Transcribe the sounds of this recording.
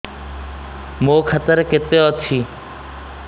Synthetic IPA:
mõːkʰət̪əɾkɪt̪eɔt͡ʃʰiː

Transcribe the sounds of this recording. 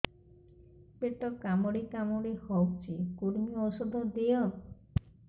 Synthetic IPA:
peʈːɔkamɔɽekamoɽehɔwk̚t͡ʃekoɾmiɔʃod̪ʱɔd̪ejɔ

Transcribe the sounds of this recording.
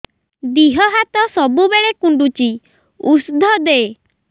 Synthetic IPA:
d̪iɦɔɦat̪ɔsɔbubeɭekuɳɖut͡ʃi | usd̪ʱɔd̪ee

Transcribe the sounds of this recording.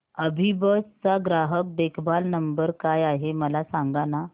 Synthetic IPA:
əbʱibəst͡saɡɾaɦək̚d̪ekʰbalnəmbəɾkajaɦeməlasãŋɡana

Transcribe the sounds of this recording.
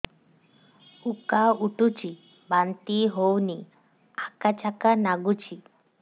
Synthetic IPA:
ukauʈut͡ʃi | bant̪iɦowni | akat͡ʃakanaɡut͡ʃʰi

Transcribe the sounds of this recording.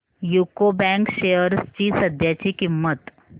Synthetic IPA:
juːkobɛ̃ːŋkʃeːəɾst͡ʃiːsəd̪ʱjaːt͡ʃikɪmːət̪

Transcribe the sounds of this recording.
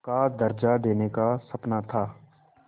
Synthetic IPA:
kad̪ɐɾd͡ʒad̪eːnekasɐpnat̪ʰaː

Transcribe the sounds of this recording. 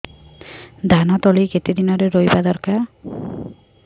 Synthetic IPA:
d̪ʱanɔt̪oliket̪id̪inɔɾeɾojbad̪ɔɾka

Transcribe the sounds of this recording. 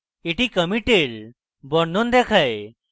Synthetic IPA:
eʈikəmiʈeɾ | bɔɽnɔnd̪ɛkʰaj

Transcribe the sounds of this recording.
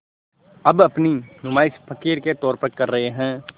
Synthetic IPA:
ɐbɐpninʊmaːɪspʰɐkiːɾket̪ɔːɾpəɾkɐɾːɐɦeɦɛ̃ː

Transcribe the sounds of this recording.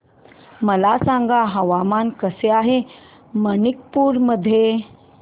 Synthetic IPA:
məlasãŋɡaɦəʋamankəseaɦe | mənik̚puɾməd̪ʱːje

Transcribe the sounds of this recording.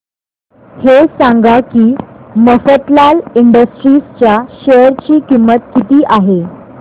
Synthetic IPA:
hesãŋɡakiːməfət̪laliɳɖəsʈɾiːst͡ɕjaɕəɾt͡ɕiːkimːət̪kit̪iːʔaɦe

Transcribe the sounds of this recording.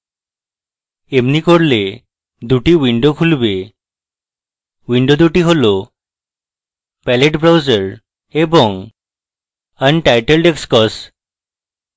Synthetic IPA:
emnikoɾle | d̪uʈiwiɳɖokʰulbe | wiɳɖod̪uʈiɦolo | pɛleʈbɾawd͡ʑəɾ | eboŋ | ənʈajʈelɖekskɔs

